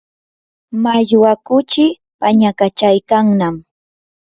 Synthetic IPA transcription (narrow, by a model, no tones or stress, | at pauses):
maʎwakʊt͡ʃɪ | paɲakat͡ʃajkaŋnam